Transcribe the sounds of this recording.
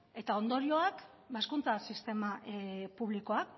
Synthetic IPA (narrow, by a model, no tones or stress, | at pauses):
e̞t̪ao̞nd̪o̞ɾio̞ak | baeskunt͡sasist̪e̞mapuβ̞likoak